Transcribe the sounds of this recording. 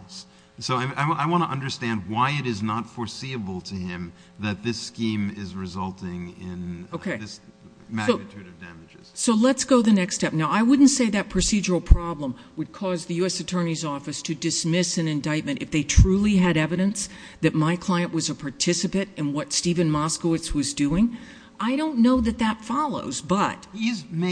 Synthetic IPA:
s | soʊaɪaɪaɪwɑ̃ñəʔʌ̃ndə˞stæ̃nd̚waɪɨɾɨznətfə˞siɨbl̩ˠtʰɨɪ̃m | ðɨt̪̚ðɪskĩmɪzɹɨzʌlˠtɪ̃ŋɪ̃noʊkʰeɪs | mæɨtʰʉɾɨvdæ̰mɨd͡ʒɨz̥soʊlətsɡ̥oʊðɨnɛkstɛp̚naʊaɪwʊdⁿn̩tseɪðɨt̚pʰɹ̥ɨsid͡ʒə˞l̩ˠpʰɹ̥ɑblə̃m | wɨd̚kʰɔzðɨjʉɛsɨtʰɜ̃˞nizɔfɨstʰɨdɨsmɪsɨ̃nɨ̃ndaɪt̚mɨ̃ñtɨfðeɪtʰɹ̥ʉlˠiɨɾɛvɨɾɨ̃ns | ðɨt̚maɪkʰl̥aɪɨ̃nʔwʌzəpʰɑɹtʰɪsɨpɨ̃nɾtɨ̃nwʌtstivɨ̃nmɑskoʊɨtswʌzdʉɪ̃ŋ | ʔaɪɾõʊ̃nːoʊðɨt̪̚ðɨtfɑlˠoʊzbʌt̚izm

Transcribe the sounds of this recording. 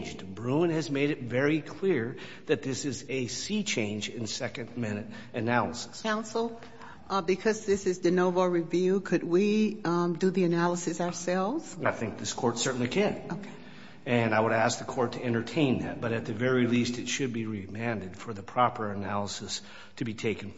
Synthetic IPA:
nd͡ʒdbɹũnɨzmeɪɾɨt̚vɛɹikʰl̥ɪɹ | ðɨt̪̚ðɪsɨzɨsit͡ʃʰẽɪ̃nd͡ʒɪ̃nsɛkɨ̃nmɪ̃nɨɾ | ɨnælˠəsɨ̥skʰãʊ̃nsl̩ˠ | bɨkʰʌzðɪsɨzdɨnoʊvəɹivjʉkʰɨd̚wi | dɨðiɨnælˠəsɨsaə˞sɛlˠvz̥aɪθɪ̃ŋk̚ðɪskʰɔɹtsɜ˞ʔn̩likʰɨ̃noʊkʰe | ɨ̃naɪwəɾæsk̚ðɨkʰɔɹtʰɨɛ̃ɾ̃ə˞tʰẽɪ̃nðɨ̰t̚b̥ʌɾɨt̪̚ðɨvɛɹilistɨtʃɨd̚biɹimæ̃ndɨd̥fə˞ðɨpʰɹ̥ɑpə˞ɨnælˠəsɨs | tʰɨbitʰeɪkn̩

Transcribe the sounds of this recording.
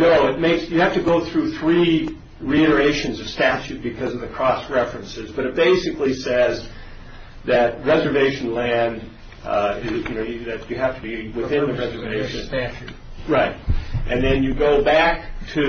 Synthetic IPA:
noʊɨt̚meɪksjɨhæftɨɡoʊθɹʉθɹi | ɹiɪɾə˞eɪʃɨ̃nzʌv̥stæt͡ʃʉt̚b̥ɨkʰʌzʌvðɨkʰɹ̥ɔsɹɛfɹɨ̃nsɨzbʌɾɨt̚b̥eɪsɨklisɛz | ðɨt̚ɹɛzə˞veɪʃn̩læ̃nd | ɪzjɨnoʊjɨðɨɨɦæftəbiwɨθɪ̃nðɨɹɛzə˞veɪʃɨ̃næt͡ʃʉt̚ | ɹaɪt̚ʔɨ̃nðɨ̃njɨɡoʊbæk̚tʰɨ

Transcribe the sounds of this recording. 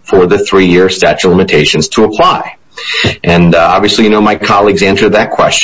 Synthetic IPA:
fə˞ðɨθɹijɪɹstæt͡ʃlɪ̃mɨtʰeɪʃɨ̃nz̥tʰəəpʰl̥aɪ | ʔɨ̃nɑ̰bviɨslijɨnoʊmaɪkʰɑlˠiɡzæ̃nsə˞d̪̚ðɨt̚kʰw̥ɛst͡ʃ

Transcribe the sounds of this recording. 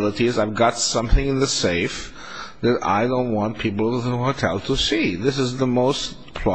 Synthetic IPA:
lˠəɾizaɪvɡɑtsʌ̃mθɪ̃ŋɨ̃nðɨseɪf | ðɨɾa̰ɪdõʊ̃nt̚wɑ̃npʰipl̩ˠtəkə̃nhoʊtʰɛlˠtʰəsiðɪsɨzðəmoʊs | pʰl̥ɑ

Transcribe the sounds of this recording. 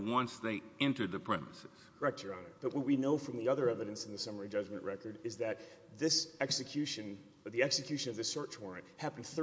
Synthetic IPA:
wʌ̃nsðeɪɛ̃ntə˞d̪̚ðɨpʰɹ̥ɛ̰mɨsɨz̥ɛk̚tʰə˞ɑnə˞b̥ʌt̚wʌt̚winoʊfɹʌ̃mðiʌðə˞ɛvɨɾɨ̃nsn̩ðɨsʌmə˞id͡ʒʌd͡ʒmɨ̃nʔɹɛkə˞ɾɨzðɨt̪̚ | ðɪsɛksɨkʰj̥ʉʃɨ̃n | ðiɛksɨkʰj̥ʉʃɨ̃nʌvðɪsɜ˞t͡ʃwɔɹɨ̃nthæpn̩̥θ

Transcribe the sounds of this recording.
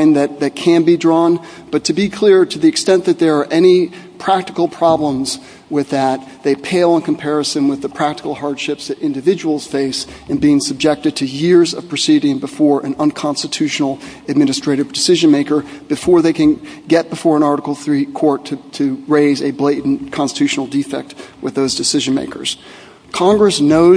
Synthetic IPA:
ɪ̃nðɨt̪̚ðɨt̚kʰɨ̃nbidɹɔ̃n | b̥ʌtʰɨbikʰl̥ɪɹɾɨðiɨkstɛ̃nðɨt̪̚ðə˞ːʔɛñipʰɹ̥æk̚tɨkl̩ˠpʰɹ̥ɑblə̃mz | wɪðɨt̪̚ðeɪpʰeɪlˠə̃nkʰm̩pʰɛɹɨsɨ̃nwɨðɨpʰɹ̥æk̚təkl̩ˠɦɑɹd̥ʃɪpsðɨɾɪ̃ndɨvɪd͡ʒəwl̩ˠz̥feɪs | ɨ̃nbiɪ̃ŋsɨb̚d͡ʒɛk̚tɨd̚tʰɨjɪɹzʌ̰v̥pʰɹ̥ɨsiɾɪ̃ŋbɨfɔɹʔɨ̃nə̃nkʰɑ̃nstɨtʰʉʃnl̩ˠɨd̚mɪ̃nɨstɹ̥eɪɾɨvdɨsɪʒɨ̃nmeɪkə˞b̥ɨfɔɹðeɪkɨ̃nɡɛt̚b̥ɨfɔɹə̃nɑɹɾəkl̩ˠθɹikʰɔɹtʰɨtʰɨɹeɪzɨbleɪdⁿn̩kʰɑ̃nstɨtʰʉʃn̩l̩ˠdifɛ̰k̚t̚wɨðoʊzdɨsɪʒɨ̃nmḛɪkʰə̰˞z̥ | kʰɑ̃ŋɡɹɨsnoʊ

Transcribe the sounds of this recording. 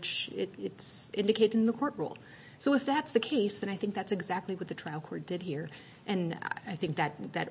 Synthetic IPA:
t͡ʃɪɾɪtsɪ̃ndɨkʰeɪɾɨɾ̃n̩ðəkʰɔɹt̚ɹṵlˠ | soʊɨfðætsðɨkʰeɪsðɨ̃ɾ̃aɪθɪ̃ŋk̚ðætsɨɡzæk̚tˡliwʌt̪̚ðɨtʰɹ̥aɪl̩ˠkʰɔɹt̚d̥ɨd̚hiɹ | ʔɨ̃n̰aɪθɪ̃ŋk̚ðɨt̪̚ðɨ̰ɾ

